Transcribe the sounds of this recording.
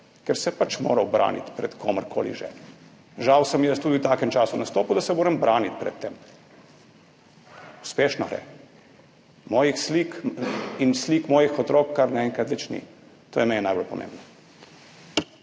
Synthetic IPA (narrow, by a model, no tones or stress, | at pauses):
kɛɾsɛpat͡ʃmo̰ːɾɐwbɾʔa̰ːnḭt̪pɾɛt̪kʰoːməɾkʰo̰ːlḭʒɛ̰ | ʒawsəmjəst̪uːd̪iuwt̪aːkɛmt͡ʃaːsunast̪oːpud̪asɛmoːɾɛmbɾaːnit̪pɾɛ̰t̪ːem | u̥speːʃnɔɾɛ̰ | mɔːjixslikinsliːkmɔːjixɔt̪ɾoːkːaɾnɛɛŋkat̪lɛt͡ʃnḭ | t̪oːjɛmɛnɛnajbolpɔmʔḛ̃ːmbnɔ